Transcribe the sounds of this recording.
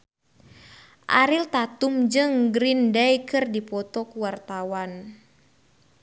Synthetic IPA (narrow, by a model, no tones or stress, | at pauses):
ʔa̰ɾilt̪at̪umd͡ʒɨŋɡɾindajkɨrdipɔt̪ɔkuwart̪awan